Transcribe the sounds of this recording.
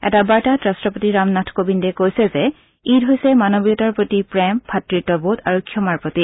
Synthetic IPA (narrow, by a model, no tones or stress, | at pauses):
ɛ̰tabaɹtatɹastɹɔpotiɹamnatʰkobindɛkojsɛzɛ | itɦojsɛmanobijɔtaɹpɹotipɹɛmpʰatɹitːɔbutaɹokʰːjɔmaɹpɹɔti